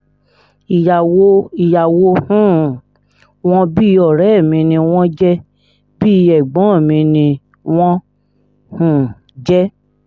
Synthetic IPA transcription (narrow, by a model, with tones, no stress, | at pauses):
i˨ja˨wo˦i˨ja˨wo˦hũ˦˨ | w̃ɔ̃˦bi˦˧ɔ˨ɾɛ˨˦˨mĩ˧nĩ˧w̃ɔ̃˦d͡ʒɛ˦ | bi˦˧ɛ˨ɡ͡bɔ̃˨˦˨mĩ˧nĩ˧ | w̃ɔ̃˦ | hũ˦˨ | d͡ʒɛ˦